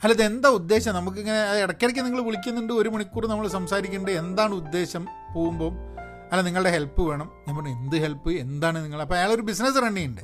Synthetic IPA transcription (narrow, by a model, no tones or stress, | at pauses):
ɐlːɐðe̞nd̪aːud̪ːe̞ːɕɐmnɐmuk̬ːiŋːɐne̞ɐðiɽɐkːeɽɐk̬ʲːuniŋːɐɭʋiɭik̬ʲːunːuɳɖɨo̞ɾumɐɳikːuːrɨnɐmːɐɭsɐmsaːɾikʲːuɳɖɨe̞nd̪aːɳɨud̪ːe̞ːɕɐm | po̞ːɣumbo̞ːm | ɐlːɐniŋːɐɭɨɽeɦe̞lpːɨʋe̞ːɳɐmɐmːɐnend̪ɨɦe̞lpːɨe̞nd̪aːɳɨniŋːɐɭɐpːoːɐjaːɭo̞ɾubisnɐsrɐɳɖijuɳɖɨ